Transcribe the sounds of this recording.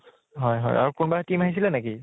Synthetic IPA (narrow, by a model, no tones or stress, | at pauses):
ɦɔjɦɔ̰jʔa̰ɹukʊnbatimaɦis̬ilɛneki